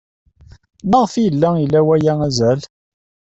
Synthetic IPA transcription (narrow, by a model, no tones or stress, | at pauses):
məʁfjəlːæilːæwæjææzæl